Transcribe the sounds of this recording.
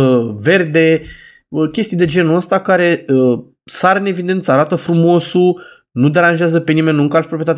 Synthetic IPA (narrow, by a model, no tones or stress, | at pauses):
ve̞rd̪e̞ | əkʲest̪id̪e̞d͡ʒe̞nuəst̪akaɾe̞ə | saɾɨne̞vid̪e̞nt̪səaɾat̪əfɾumo̞su | nud̪e̞ɾanʒeazəpe̞nime̞nːuŋkalʃpɾopɾijet̪at̪